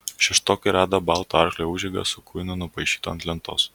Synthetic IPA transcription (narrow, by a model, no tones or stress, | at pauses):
ʃʲɛʃt̪oːkʲɪɾʲæːd̪ɐbɑlˠt̪oɑɾxlʲeːuːʒʲɛɡɐ̰sʊkʰʊɪnʊnʊpɐɪʃʲi̥ːt̪oːɐnt̪ʲlʲɛnt̪o̰ːs